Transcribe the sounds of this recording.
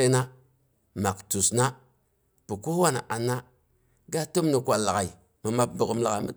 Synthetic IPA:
e˦na˦ | ma˨ktu˨sna˦ | pu˨ko˦wa˦na̰˨ʔa˨nːa˦ | ɡa˦to˦mni˨kʷa˨lːa˨ɣa˨i˨ | mə˨ma˦p̚bə˨kə˦mla˨a˨˦mə̰˦

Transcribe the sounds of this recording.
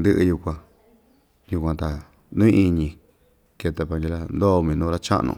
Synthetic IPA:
nd̪ɨ˦ʔɨ˧ju˧kʷã˧ | ju˧kʷã˧t̪a˨ | nũ˦ĩ˦˧ʔi˧ɲĩ˧ | ke˧t̪a˧pa˧ŋɡi˧la˦nd̪o˦˧mĩ˨˧nũ˦ɾa˦t͡ʃa̰˦ʔnṵ̃˧˨

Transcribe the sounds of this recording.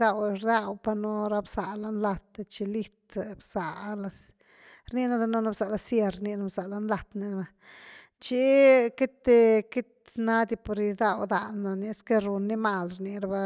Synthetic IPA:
d̪a˧wɾd̪a˦˧wpa˧nu˧ɾa˧bsa˨la˧nla˧t̪t͡ʃi˧li˦t̪bsa˨la˧s | ɾni˧na˧d̪a˧no˦˧na˧bsa˨la˧sje˧ɾni˧na˧˦bsa˨la˧nla˧t̪ni˧na˧ | t͡ʃi˦ke˦t̪e˧ki˦t̪ | na˦d̪i˧po˧ɾi˧d̪a˦˧wd̪a˨nːa˧ni˧˦ske˦ɾu˧nːi˦ma˧lɾni˧ɾa˧ba˧

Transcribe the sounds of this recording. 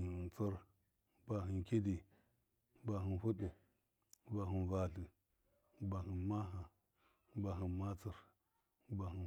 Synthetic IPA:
t͡su˦ɾ | ba˨ɦi˨nki˦di˨ | ba˨ɦi˨nfu˦ɗu˨ | ba˨ɦi˨nva˨ɬi˨ | ba˨ɦi˨nma˦ɦa˨ | ba˨ɦi˨ma˦t͡su˨ɾ | ba˨hi˨

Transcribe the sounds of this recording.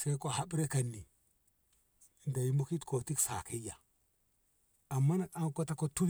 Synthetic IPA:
sa˦i˦ko˨ha˦ɓɾe˦ka˨nːi˨ | nda˨ji˦mu˦ki˦tko˨ti˦ksa̰˨ki˦ja˨ | a˨mːa˦n˨a˦ŋko˦ta˦ko˦tu˦

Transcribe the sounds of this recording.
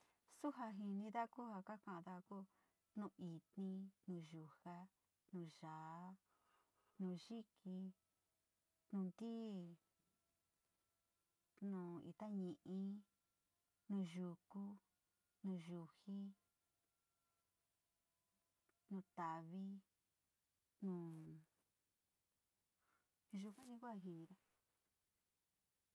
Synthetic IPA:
su˦ɦa˧ɦi˧nĩ˧ða˦ku˦ha˧ka˦kã˧ʔã˧ða˧ku˦ | nũ˧˨i˨t̪nĩ˧nũː˧ʒu˧˨ha˦ | nũː˧˨ʒa˨˦ | nũː˧˨ʒi˦kʰi˧ | nũː˧nd̪iː˦ | nũː˨ḭ˧t̪a˦ɲĩ˧˨ʔĩ˦ | nũː˧˨ʒu˧˨ku˦ | nũː˧˨ʒu˧hi˦ | nũ˧˨t̪a˨βi˦ | nũː˧˨ | ʒu˧kʷã˦nĩ˧ku˦a˧ɦi˧nĩ˧ɾa˦

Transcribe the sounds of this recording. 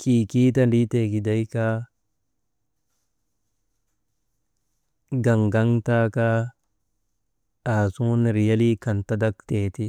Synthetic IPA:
kʰiː˨ki˦t̪ɐ˦ndi˦t̪e˨ki˨d̪ɐ˦jka˦ | ɡɐ˨ŋɡɐ˦ŋt̪a˦ka˦ | aː˨su˦nɾɪ˨ja˦li˦kɐ˨nt̪ɐ˦d̪ɐ˦kt̪eː˨t̪i˦

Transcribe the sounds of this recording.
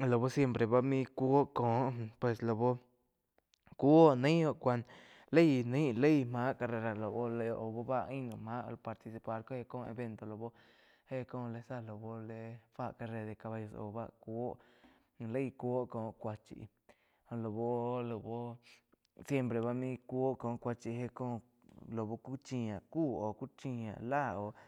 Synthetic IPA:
lo˨bo˦sje˧mpɾe˨ba˦mĩ˦kʷu˦o˦ko˨˦ʔpwe˧slo˨bo˦ | ku˦o˦ʔnĩ˦o˧kʷa˧n | le˦jnĩ˦le˦jma˦ʔka˧re˧ɾa˧lo˨bo˦le˧ʔo˨bo˦ba˦i˦no˧ma̰˦˧lpa˧ɾt̪i˧si˧pa˧ɾko˦e˦˧ko˦ḛ˧be˧nt̪o˧lo˨bo˦ | he˦kõ˧˦le˧sa˧lo˨bo˦le˧fa˦˧ʔka˧ɾe˧d̪e˧ka˧βa˧jo˧so̰˧ba̰˦˧kʷo˦ʔ | le˦˧kʷo˦kõ˨kʷa˧t͡ʃḭ˧˨˧ | o˧lo˨bo˦lo˨bo˦ | sje˦mpɾe˨˧βa˧mĩ˦kʷːo˦kõ˨˧kʷa˧t͡ʃi˧ɦe˧kõ˦ | lo˨bo˧ku˦t͡ʃĩ˧a˨ku˦o˨ku˦t͡ʃĩ˧ã̰˨la˦˨o˨

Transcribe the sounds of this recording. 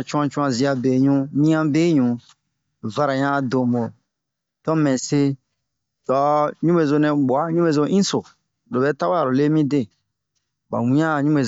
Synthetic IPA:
t͡ʃũ˦ã˧t͡ʃũ˦ã˧zi˨˧a˧be˨ɲũ˧nĩ˦ã˦be˦ɲũ˨ | va˦ɾa˨ɲã˦do˨mo˨ | tɔ˦mɛ̃˨se˧ | dɔ˨˦ɲũ˦be˨zo˧nɛ̃˨bo˨a˨˦ɲũ˦be˨zo˧ʔĩ˦so˨ | lo˨bɛ˨˦ta˦a˦a˨ɾo˨le˦mĩ˦de˦˨ | ba̰˨wĩ˨˦ã˦˨ɲũ˦e˨

